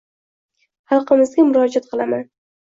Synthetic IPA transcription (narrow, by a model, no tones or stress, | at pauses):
hɑlˠqɨmɪzɡʲamʊɾɒd͡ʒat̪̚qʰɨlˠaman